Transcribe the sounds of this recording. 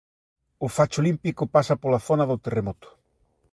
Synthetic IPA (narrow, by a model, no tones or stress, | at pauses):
ʊfat͡ʃolimpikʊpasapolaθonaðʊt̪eremɔt̪ʊ̥